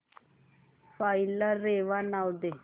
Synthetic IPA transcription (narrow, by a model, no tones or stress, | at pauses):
faːilaːeːʋaːnaːld̪e